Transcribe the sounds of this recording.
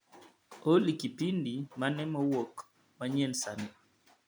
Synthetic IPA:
olikipindimanɛmɔwok | maɲɛnsani

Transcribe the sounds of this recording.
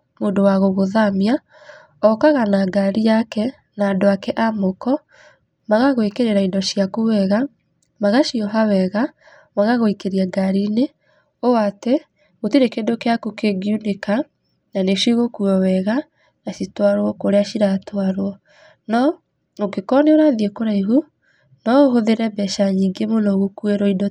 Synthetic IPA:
moːndowaɣoɣoðamja | ɔkaɣanaɡaɾiakɛ | naːdoakɛʔamokɔ | maɣaɣowekeɾeɾaindɔʃiakuwɛɣa | maɣaʃiɔɦawɛɣa | maɣaɣoikeɾiaɡaɾine | oate | ɣotiɾekendokeakukeɡjuneka | naneʃiɣokuɔwɛɣa | naʃitwaɾwɔkoɾeaʃiɾatwaɾwɔ | nɔ | okekɔneoɾaðiekoɾaiɦu | nɔoɦoðeɾɛbɛʃaɲiːŋɡemonɔɣokueɾɔindɔ

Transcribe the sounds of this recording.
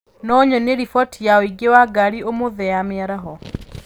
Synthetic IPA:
nɔɲɔneɾifɔtijaoiɡewaɡaɾiomoðɛameaɾaɦɔ

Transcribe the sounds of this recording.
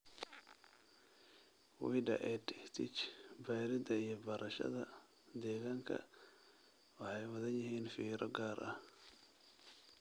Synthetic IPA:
wḭːɖɐ̰ʔɛdɪht̪ʰɪt͡ʃbajɾɪd̪ɐijɞbɐɾʔɐʃɐ̰ðɐ | d̪ɛːɣaːŋkʰɐ̰ | wɑħɑjwɐðɐnjɪɦiːnfiːɾɔɡaːrʔɐh

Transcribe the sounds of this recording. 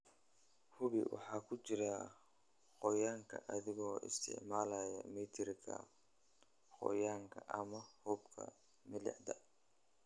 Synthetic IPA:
hʊβɪ̰wɑ̰ħɑːkʰʊt͡ʃɪɾa | qɔjaːŋkʰɐ̰ʔɐðɪɣɔːʔɪ̰st̪ʰɪ̰ʕmaːlaːjɐmɛːt̪ʰɪrkʰɐ̰ | qɔ̰jaːŋkʰɐʔɐmɐhubkʰɐ̰ | mɪlɪ̰ʕd̪ɐ

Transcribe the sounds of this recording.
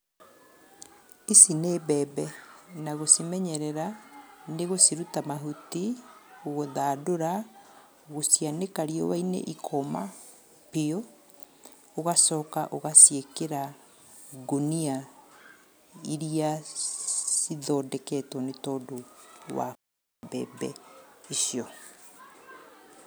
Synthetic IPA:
isineːbɛːbɛnaɣosimɛɲɛɾɛɾaneɣosiɾutamaɦutioɣoðaːdoɾa | ɣosianekaɾiɔwainḛʔikʰɔma | peo | oɣasɔːkaʔoɣasiekeɾa | ɡonia | iɾia | siðɔːdɛkɛtɔnetɔːdowa̰ | bɛ̰ːbɛ̰iʃiɔ

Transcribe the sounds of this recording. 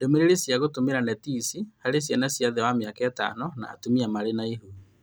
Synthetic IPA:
demeɾeɾesjaɣotomeɾanɛtisihaɾes̬janasjaðɛwameakaɛta̰nɔna̰ːtomiamaɾenaiɦuði

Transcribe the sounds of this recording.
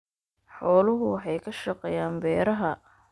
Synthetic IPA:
ħɔːlʊɦʊwħɑjkʰɐʃɑqɛjaːmbɛːɾɐɦɐ

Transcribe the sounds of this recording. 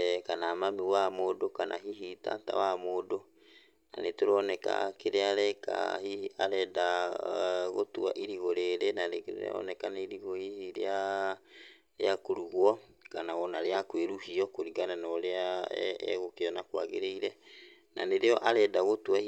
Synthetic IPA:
kanamamiwamoːdokanʔa̰ɦiɦita̰ta̰wamoːdo | na̰netoɾɔnɛka̰keɾeaɾɛka̰hiaɾɛda | ɣotua̰ʔiɾiɣoɾeːɾenanḛɔ̰nɛkanaiɾiɣohihiɾḛa | ɾḛakoɾuɣwɔ | kanaɣɔnaɾeakweɾuhiɔkoɾiɣananɔɾea̰ | ɣokeɔnakwa̰ɣeɾeiɾɛ | nʔa̰neɾeɔʔaɾɛːdaɣotwa

